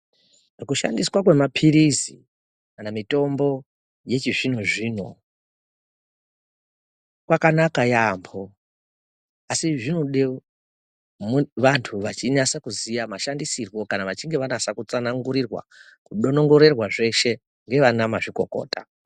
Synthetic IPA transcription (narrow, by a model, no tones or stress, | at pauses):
kuʃa̰ndiswakwe̞mapʰiɾizi | kanamito̞mbo̞ | je̞t͡ʃiʐinoʐiːno̰ | kwakanakajambʰo̞ | asiʐinoɗe | mʋantʰuʋat͡ʃinasakuzijamaʃandisirwo̞kanaʋat͡ʃiŋɡe̞ʋanasakut͡sanaŋɡuɾirwa̰ | kuɗo̞no̞ŋɡo̞ɾe̞rwaʐe̞ʃe̞ | ŋɡe̞ʋanamaʐiko̞ko̞̰ːta